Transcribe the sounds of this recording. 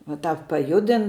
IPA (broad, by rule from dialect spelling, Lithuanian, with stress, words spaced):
ʋɐ ˈtɑːp pɐˈjʊdʲɪn